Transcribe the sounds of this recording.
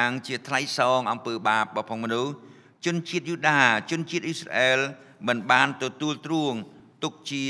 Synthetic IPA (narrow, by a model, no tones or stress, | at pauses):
aŋt͡ɕiət̪ʰlajsɑːŋʔɑmpəːɓaːp̚ɓɑpʰoŋ̚mɔnuh | t͡ɕʊ̆nt͡ɕiət̪̚juːɗaːt͡ɕʊ̆ənt͡ɕiət̪̚ʔisra̰ʔɛːl | mɨnɓaːnt̪ɔt̪uəlt̪ruəŋt̪ʊk̚t͡ɕi